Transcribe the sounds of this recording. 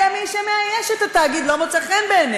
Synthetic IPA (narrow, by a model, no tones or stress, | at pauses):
amimʃemeajeʃet̪at̪aːɡid̪lomet͡saχenbeːn